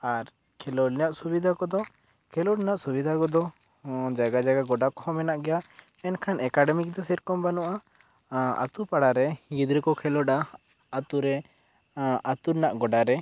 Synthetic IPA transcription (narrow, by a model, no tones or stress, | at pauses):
aɾ | kʰɛlɔlnɛjaʔsubid̪ʱakɔd̪ɔ | kʰɛlɔɽnaʔsubid̪ʱakɔd̪ɔ | d͡ʒaɡad͡ʒaɡaɡɔɖakɔhɔmɛnaʔɡɛja | ɛnkʰanɛkaɖɛmik̚d̪ɔsɛɾkɔmbanɔʔa | a̰t̪upaɽaɾɛɡid̪ɾɛkɔkʰɛlɔɖa | at̪uɾɛ | at̪uɾnaʔɡɔɖaɾɛ